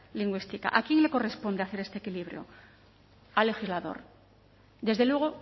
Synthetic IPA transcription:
liŋɡwist̪ika̰ʔakje̞ŋle̞ko̞re̞spo̞nd̪eaθe̞ɾe̞st̪ekiliβɾjo̞̰ | ale̞xizlaðo̞̰ɾ | d̪e̞zðe̞lwe̞ɣ̞o̞

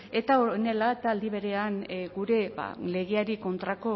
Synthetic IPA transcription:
e̞t̪aone̞laet̪aːld̪iβe̞ɾe̞anɡuɾe̞ba̰le̞ɣeaɾiko̞nt̪ɾako̞

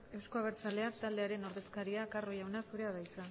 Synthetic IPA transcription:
e̞wskoaβ̞e̞ɾt͡sale̞at̪ald̪e̞aɾe̞no̞ɾðe̞skaɾiakaro̞jawnasuɾe̞aβajt͡sa

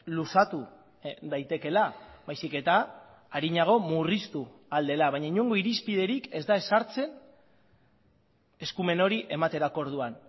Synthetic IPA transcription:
lusat̪u | ðajt̪e̞ke̞labajsike̞t̪aː | ɾiɲaɣ̞o̞murist̪uald̪e̞laβajɲaiɲeŋɡo̞iɾispið̞e̞ɾike̞zd̪ae̞saɾt͡se̞n | e̞skume̞no̞ɾiʔe̞mat̪e̞ɾako̞ɾðuan

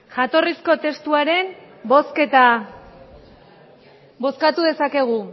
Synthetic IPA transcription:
ʝat̪o̞risko̞t̪e̞st̪uaɾe̞n | bo̞ske̞t̪a | bo̞skat̪uðe̞sake̞ɣ̞u

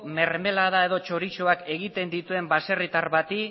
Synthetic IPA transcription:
me̞ɾme̞laðaeðo̞t͡ʃo̞ɾit͡ʃo̞ake̞ɣit̪e̞nd̪it̪ue̞mbase̞rit̪aɾβat̪i

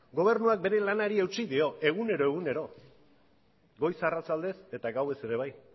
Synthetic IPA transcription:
ɡo̞β̞e̞ɾnuak̚be̞ɾe̞lanaɾie̞wt͡ʃiðio̞e̞ɣ̞une̞ɾo̞e̞ɣ̞une̞ɾo̞ | ɡo̞jsarat͡sald̪e̞se̞t̪aɡawe̞se̞ɾe̞β̞aj

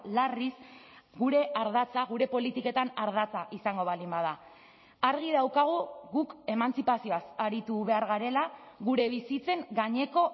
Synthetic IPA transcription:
larisɡuɾe̞aɾð̞at͡saɣuɾe̞po̞lit̪ike̞t̪anaɾð̞at͡saʔisaŋɡo̞βalimbað̞a | aɾɣ̞iðawkaɣ̞uɣuke̞mant͡sipasio̞asaɾit̪uβe̞aɾɣaɾe̞laɣuɾe̞βisit͡se̞ŋɡaɲe̞ko̞

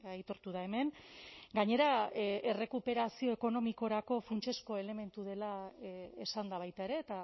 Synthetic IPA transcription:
ajt̪o̞ɾt̪uð̞ae̞me̞nɡaɲe̞ɾae̞re̞kupe̞ɾasio̞e̞ko̞no̞miko̞ɾako̞funt͡ʃe̞sko̞e̞le̞me̞nt̪uð̞e̞laesand̪aβ̞ajt̪aeɾe̞ːt̪a

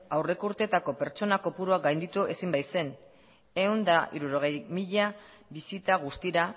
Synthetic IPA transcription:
awre̞kuɾt̪e̞t̪ako̞pe̞ɾt͡ʃo̞nako̞puɾuaɡajnd̪it̪uʔe̞simbajse̞n | e̞und̪aḭɾuɾo̞ɣ̞e̞jmiʎa | βisit̪aɣ̞ust̪iɾa

